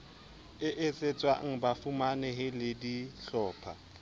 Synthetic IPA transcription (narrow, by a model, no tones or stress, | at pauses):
ɪʔɪt͡sʼet͡sʼwaŋ̩bafumanɛɦɪlɪdiɬɔːpʰa̰